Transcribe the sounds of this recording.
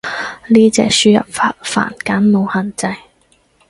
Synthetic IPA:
liː˥t͡sɛː˨k̚syː˥jɐ̰˨p̚faː˧t̚fa̰ː˨˩nkaː˨˥nmo˨˧whɐ˨nt͡sɐ˧j

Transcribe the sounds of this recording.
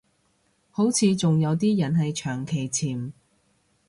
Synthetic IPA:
ho˨˥wt͡sʰiː˨˧t͡sʊ˨ŋjɐ˨˧wt̪iː˥jɐ˨˩nɦɐ˨jt͡ʃʰœː˨˩ŋkʰe˨˩jt͡sʰiː˨˩m

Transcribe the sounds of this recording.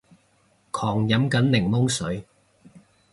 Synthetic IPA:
kʰɔː˨˩ŋjɐ˨˥mkɐ˨˥nlɪ˨˩ŋmʊ˥ŋsɵ˨˥ɥ

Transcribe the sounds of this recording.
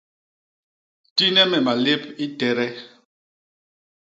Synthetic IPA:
ti˦nɛ˦mɛ˨ma˨le˦pi˦tɛ˨ɾɛ˦

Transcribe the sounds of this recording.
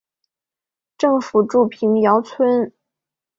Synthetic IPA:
ʈ͡ʂɤ˥˩ŋfu˨˩ʈ͡ʂu˥˩pʰi˧˥ŋjɑ˧˥ʊt͡sʰwə˥n

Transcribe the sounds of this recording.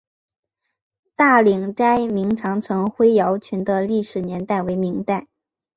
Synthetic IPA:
t̪a˥˩li˨˩ŋʈ͡ʂa˥ɪmi˧˥ŋʈ͡ʂʰɑ˧˥ŋʈ͡ʂʰɤ˧˥ŋxwe˥ɪjɑ˧˥ʊt͡ɕʰy˧˥nd̪ə˧li˥˩ʂɻ̩˨˩njɛ˧˥nt̪a˥˩ɪwe˧˥ɪmi˧˥ŋt̪a˥˩ɪ

